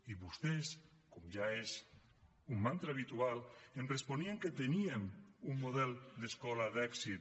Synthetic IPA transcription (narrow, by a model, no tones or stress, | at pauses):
iβust̪eskomʒaes | umːant̪ɾeaβit̪ualenresponieŋket̪eniemumːoðɛld̪eskɔlaðɛksit̪